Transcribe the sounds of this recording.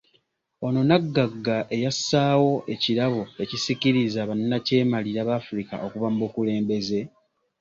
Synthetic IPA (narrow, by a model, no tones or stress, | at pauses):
o̞no̞naɡːaɡːaʔe̞jasːaːwo̞ʔe̞ciɾaβoe̞cisiciɾizaβanːace̞ːmaliɾaβaːfuɾika̰ʔo̞kuβamubukule̞ːmbe̞ze̞